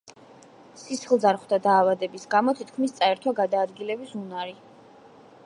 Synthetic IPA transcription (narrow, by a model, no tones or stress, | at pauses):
sisχlˠd̪zaɾχwd̪ad̪aːvad̪ɛbisɡamɔt̪ʰit̪kʰmist̪sʼaɛɾt̪ʰwaɡad̪aːd̪ɡilɛbisunaɾi